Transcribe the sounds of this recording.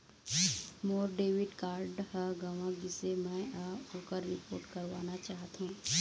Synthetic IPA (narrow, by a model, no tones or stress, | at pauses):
moːɾɖeːʋɪɖkaːɾɖhəɡaːʋãɡɪsemɛ̃aːpoːkəɾːɪpoːɾʈkɐɾʋaːnat͡ʃaːɦt̪ɦũː